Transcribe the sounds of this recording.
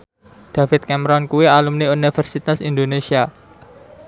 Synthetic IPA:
d̪̥a̤fɪt̪̚kɛmɾɔnkuwialumniunifɛrsit̪asind̪onesia

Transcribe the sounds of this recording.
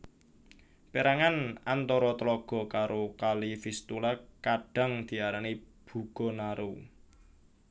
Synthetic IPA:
peɾaŋanant̪ɔɾɔt̪əlɔɡ̥ɔ̤kaɾʔokalifist̪ulakaɖ̥a̤ŋd̪̥i̤aɾanib̥ṳɡ̥ɔ̤naɾu

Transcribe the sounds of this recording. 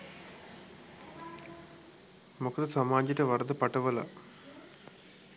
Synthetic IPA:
mokʰɐt̪ɐsɐmaːd͡ʑɐʈɐʋɐɾɐd̪ɐpɐʈɐʋɐlɐ̰

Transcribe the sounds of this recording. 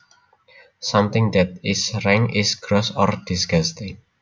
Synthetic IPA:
sãmt̪ɪ̃ŋd̪ɛt̪̚ɪsrɛ̃ŋɪsɡɾɔsɔrd̥isɡast̪e

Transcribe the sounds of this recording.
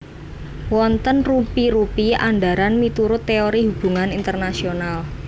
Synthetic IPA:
wɔnt̪ənrupiɾupia̰ɳɖaɾanmit̪uɾʊt̪ːeoɾiɦub̥ṳŋanint̪ərnasional

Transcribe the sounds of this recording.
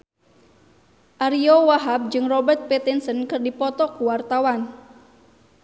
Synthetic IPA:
ʔaɾiowaɦab̚d͡ʒɨŋrɔbərt̪̚pɛt̪insənkɨrdipɔt̪ɔkuwart̪awan

